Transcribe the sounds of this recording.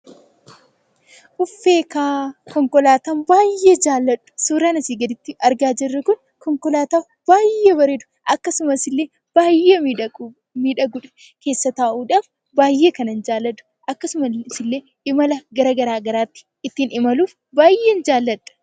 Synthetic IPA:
ʔʊfːe̞ːkaːkɔŋkɔlaːt̪ɐnbaːjːeːd͡ʒaːlːɐᶑʊ̥suːɾaːnɐsiːɡɐd̪ɪt̪ːɪʔɐɾɡaːd͡ʒɪrːɐkʊn | kɔŋkɔlaːt̪aːf | b̥aːjːebɐɾɛd̪ʊ̥ʔɐkːɐsʊmɐsɪlːeː | b̥aːjːe | miːᶑɐɡʊᶑɐ̥ | ke̞ːsːɐt̪aːʔuːᶑɐːf | baːjːeːkɐnɐnd͡ʒaːlːɐd̪ʊ̥ | ʔɐkːɐsʊmɐsɪlːeː | ʔɪmɐlɐɡɐɾɐɡɐɾaːɡɐɾaːt̪ːɪ̥ | ɪt̪ːinɪmɐluːf | baːjːeːnd͡ʒaːlːɐᶑɐ̥

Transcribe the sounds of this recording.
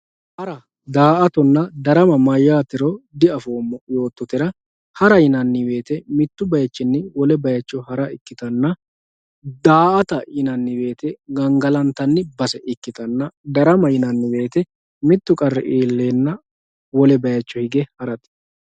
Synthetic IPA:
hɐɾɐ | d̪aːʔɐt̪ɔnːɐd̪ɐɾɐmɐmɐjːaːt̪ɪɾɔd̪ɪɐfo̞ːmːɔjo̞ːt̪ːɔt̪ɪɾɐ | hɐɾɐjɪnɐnːɪwe̞ːt̪ɛmɪt̪ːʊbɐjɐt͡ʃːɪnːɪwɔlɛbɐjɐt͡ʃːɔhɐɾɐɪkːɪt̪ɐnːɐ | d̪aːʔɐt̪ɐjɪnɐnːɪwe̞ːt̪ɛɡɐŋɡɐlɐnt̪ɐnːɪbɐsɛʔɪkːɪt̪ɐnːɐd̪ɐɾɐmɐjɪnɐnːɪwe̞ːt̪ɛ | mɪt̪ːʊkʼɐrːɛ̰ʔeːlːe̞ːnːɐ | wɔlɛbɐjɐt͡ʃːɔhɪɡɛhɐɾɐt̪

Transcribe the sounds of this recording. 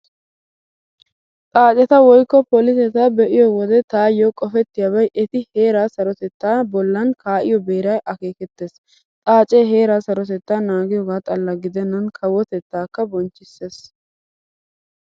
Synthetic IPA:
t̪ʼaːt͡ʃʼɛt̪ɐwɔjkːɔpɔlɪsɛt̪aːbɛʔɪjɔwɔd̪ɛt̪aːjːɔkʼɔfɛt̪ːɪjabɐjʔɛt̪ɪhe̞ːɾaːsɐɾɔt̪ɛt̪ːaːbɔlːɐnkʰaːʔɪjɔbe̞ːɾɐjʔɐke̞ːkɛt̪ːe̞ːs | t̪ʼaːt͡ʃʼeɦe̞ːɾaːsɐɾɔt̪ɛt̪ːaːnaːɡɪjɔːɡaːt̪ʼɐlːɐɡɪd̪ɛnːɐnkʰɐwɔt̪ɛt̪ːaːkːɐbɔnt͡ʃːɪsːe̞ːs

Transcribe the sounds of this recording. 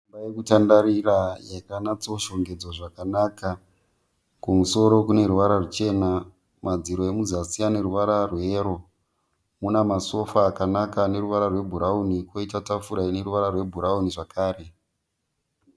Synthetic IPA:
imbajekutandaɾirajaikanat͡soʃoŋɡe̞d͡zoʐakanaːka | kumuso̞ɾo̞kune̞ɾuʋaɾarut͡ʃe̞na | mad͡ziɾo̞emuzasijane̞ɾuʋaɾarweːɾo̞ | munamaso̞faːkanakane̞ɾuʋaɾarwe̞bʱuɾauniko̞itatafuɾaine̞ɾuʋaɾarwe̞bʱuɾauniʐakʰaːɾe̞

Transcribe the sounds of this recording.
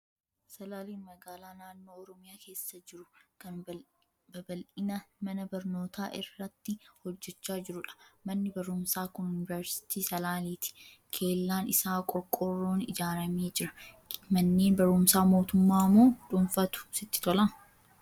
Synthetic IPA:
sɐlaːliːnmɐɡaːlaːnaːnːo̞ːɔɾɔmɪjaːke̞ːsːɐd͡ʒɪɾʊkɐn | bɐbɐlʔɪnɐmɐnɐbɐɾno̞ːt̪ʰaːʔɪ̰rːɐt̪ːɪhɔd͡ʒːɛt͡ʃːaːd͡ʒɪɾʊᶑɐ̥mɐnːɪbɐɾʊmsaːkʊnjʊnɪvɛɾsɪ̥t̪iːsɐlaːliːt̪ɪ̥ | kʰe̞ːlːaːnɪsaːkʼɔkʼːɔrːo̞ːnɪ̰d͡ʒaːɾɐme̞ːd͡ʒɪɾɐ | mɐnːe̞ːnbɐɾʊmsaːmo̞ːt̪ʊmːaːmoːᶑʊnfɐt̪ʊ̥sɪt̪ːɪ̥t̪ɔlɐmʊ

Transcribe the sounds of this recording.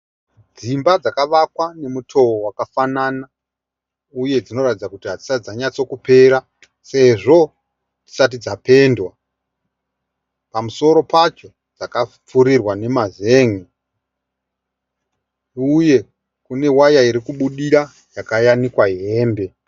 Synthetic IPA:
d͡zimbad͡zakaʋakwane̞mutʰo̞wowakafanana | uje̞d͡zino̞ratid͡zakutiɦad͡zisad͡zaɲat͡so̞kupe̞ɾa | se̞ʐo̞ | ti̥sat̬id͡zape̞ndwa | pamuso̞ɾo̞pat͡ʃo̞ | d͡zaka | p͡fuɾirwane̞mazeːŋi | uje̞ | kune̞wajaiɾikuɓuɗiɾa | jakajanikwaɦe̞ːmbe̞

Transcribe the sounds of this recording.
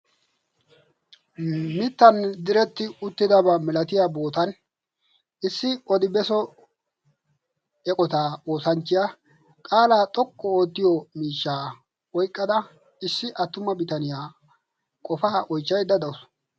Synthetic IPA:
mɪt̪ːɐnd̪ɪɾɛt̪ːɪʊt̪ːɪd̪ɐbɐmɛlɐt̪ɪjaːbo̞ːt̪ɐn | ɪsːɪɔd̪ɪbɛsɔ | ɛkʼɔt̪aːo̞ːsɐnt͡ʃːɪjaː | kʼaːlaːt̪ʼɔkʼːɔoːt̪ːɪjɔmiːʃːaː | wɔjkʼːɐd̪ɐ | ɪsːɪʔɐt̪ːʊmɐbɪt̪ɐnɪjaː | kʼɔfaːʔɔjt͡ʃːɐjd̪ɐd̪ɐwʊs

